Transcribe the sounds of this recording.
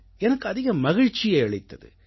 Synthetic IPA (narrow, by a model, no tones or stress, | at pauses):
ɛnɐkːɯɐðɪɣɐmɐɣɪɻt͡ʃɪjeɛɭɪt̪ːɐðɯ̰